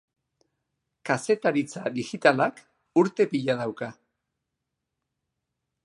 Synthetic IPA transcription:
kase̞t̪aɾit͡saðixit̪alak | uɾt̪e̞piʎað̞awka

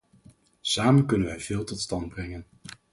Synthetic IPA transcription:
saːmənkɵnənʋɛjvɪːlˠtɔtstɑndbrɛŋən

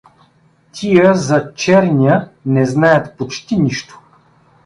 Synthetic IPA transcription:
t̪ʲʰijəzɐt͡ʃɛɾnʲiənɛznajət̪pot͡ʃt̪iniʃt̪o̥

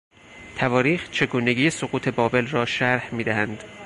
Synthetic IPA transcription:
t̪ʰævɒːɾiːxt͡ʃʰe̞ɡuːne̞ɡiːjesoɡuːt̪ʰe̞bɒːbe̞lrɒːʃæɾhmiːd̪æhænd̪̥

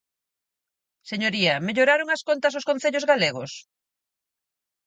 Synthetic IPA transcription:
seɲoɾiɐmeʎoɾaɾoŋɐskont̪ɐsoskõn̟θeʎozɣaleɣo̰s

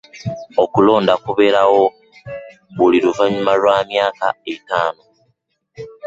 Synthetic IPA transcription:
okulo̞ːndakuβe̞ɾawo̞ | βuliɾuvaɲumalwaːmjaːka̰etaːno

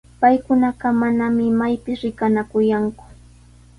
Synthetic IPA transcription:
pajkʊnɑɢɑmanamɪmajpɪsɾɪkanakʊjaŋkʊ̥

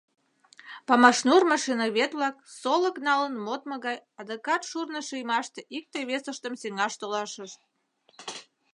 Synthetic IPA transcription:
pɑmɑʃnurmɑʃinɑβet̪lɑk̚soləknɑlənmot̪məɣɑjɑd̪okɑt̪ʃurnəʃijmɑʃt̪eʔik̚t̪ejβesəʃt̪əmsiŋɑʃt̪olɑʃəʃt̪̚

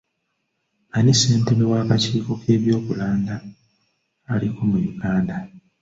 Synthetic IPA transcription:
anise̞ːnteβewaːkaciːko̞kʰe̞ːβjo̞ːkulaːndaː | likomujuɡaːnda

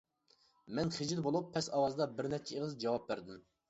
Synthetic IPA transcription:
mɛnχɪd͡ʒilbolˠupʰːɛsɑwɑzd̪ɑbɪɾnɛp̚t͡ʃʰɛeʁəzd͡ʒɑwɑp̚bæɾd̪ɪm

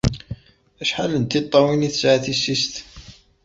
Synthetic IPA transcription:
æʃħalənt̪it̪ˤːɑwiniθə̥sʕaθisːist̪

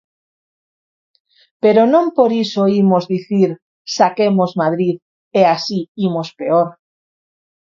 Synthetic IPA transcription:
peɾonõmpoɾisoimozðiθiɾ | sakemozmað̞ɾið | easiimospeoɾ

